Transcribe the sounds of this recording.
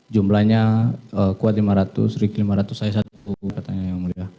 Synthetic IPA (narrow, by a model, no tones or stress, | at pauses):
d͡ʒumlahɲaəkuat̪limaɾat̪ʊ̰srikilimaɾat̪ʊsajas̬at̪̚ukat̪aɲajaŋmuliah